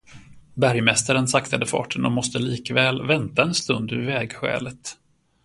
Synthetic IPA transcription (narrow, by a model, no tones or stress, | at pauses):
bæɾjmɛst̪aɾənsakt̪ʰad̪əfɑ̰ːʈʰənɔmɔst̪əliːkvɛːlvɛnt̪aɛnst̪ɵnd̪ɵɾvɛːɡɧɛ̰ːlət̪